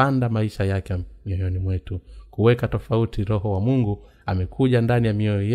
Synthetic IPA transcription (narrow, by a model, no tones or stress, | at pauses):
andamaiʃajakɛmiɔjɔnimwɛtukuwɛkatɔfautiɾɔɦɔwamuŋɡu | amɛkʰuʄandanijamiɔjɔjɛ